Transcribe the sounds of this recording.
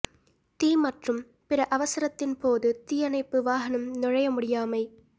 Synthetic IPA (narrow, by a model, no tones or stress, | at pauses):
t̪iːmɐʈrɯm | pɪɾɐʔɐʋɐsɐɾɐt̪ːɪnpoːðɯt̪iːjɐnɐɪpːɯʋaːɦɐnɐmnɪɻɐjɐmʊɽɪjaːmɐɪ